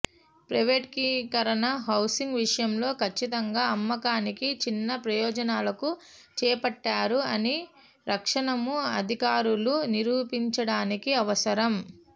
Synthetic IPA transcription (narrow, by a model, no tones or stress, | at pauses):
pɾɐjʋeːʈkikɐɾɐnɐɦɐwsiŋɡʋiʂɐjɐmlo̞ːkʰɐt͡ʃːit̪ɐŋɡaːɐmːɐkaːnikit͡ʃinːɐpɾɐjɔːd͡ʒɐnaːlɐku | t͡ʃɛːpɐʈːaːɾuɐni | ɾɐkʂɐɳɐmuɐd̪ʱikaːɾuluniɾuːpiɲt͡ʃɐɽaːnikiɐʋɐsɐɾɐm